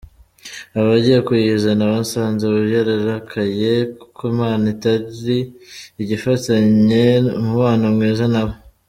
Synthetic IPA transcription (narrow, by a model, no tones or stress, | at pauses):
aβaɟijekujizanaβansaːnzeβuɾjaɾaɾakʰaje̞kʰomaːnitaɾɾiiɟifataɲe̞muβaːnamŋeːzanaβo